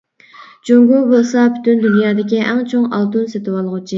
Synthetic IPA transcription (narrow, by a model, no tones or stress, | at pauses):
d͡ʒoŋɡubolˠsɑpʰy̥t̪ynd̪ynjɑːd̪ɪkʲiʔæŋt͡ʃʰoŋɑ̰lˠt̪unset̪ɪwɑlˠʁʊt͡ʃʰi